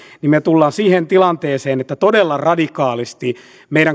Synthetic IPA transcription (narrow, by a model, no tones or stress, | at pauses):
nimmet̪ulːɑːnsiːhent̪ilɑnt̪eːseːnet̪ːæt̪odelːɑrɑdikɑːlist̪i | meijɾæŋ